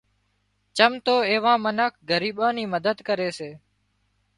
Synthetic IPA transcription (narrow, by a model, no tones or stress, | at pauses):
t͡ʃəmt̪oːeːʋãːmənəkʰɡəɾiːɓãːniːməd̪əd̪kəɾeːseː